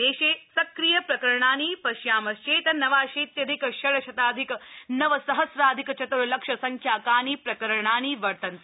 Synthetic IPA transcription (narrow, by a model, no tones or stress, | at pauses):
eːʃeːsɐkɾijɐpɾɐkɐɾɐɳ̃aːniːpɐʃjaːmɐst͡ʃeːt̪ɐnɐʋaːʃeːt̪jɐd̪ʱikɐʃɐɭɐʃɐt̪aːd̪ʱikɐnɐʋɐsɐɦɐsɾaːd̪ʱikɐt͡ʃɐt̪ɐɾɐlɐkʂɐsɐŋkʰjaːkaːniːpɾɐkɐɾɐɐɳaːniːʋɐɾt̪ɐnt̪ɐ